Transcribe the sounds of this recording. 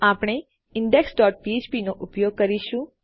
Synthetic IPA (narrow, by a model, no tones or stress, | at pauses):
apɽ̃e | ɪɳɖeksɖɔːʈ̚piet͡ʃpinoʔʊpjoɡ̚kəɾiʃũ